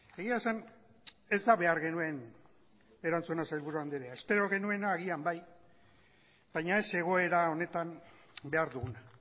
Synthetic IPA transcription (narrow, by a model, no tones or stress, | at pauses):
e̞ɣiasan | e̞zd̪aβe̞aɾɣe̞nue̞n | e̞ɾant͡suenasajlβuɾuand̪eɾeae̞spe̞ɾo̞ɣe̞nue̞naːɣ̞iambaj | b̥ajɲae̞se̞ɣ̞o̞e̞ɾao̞ne̞t̪am | be̞aɾðuɣuna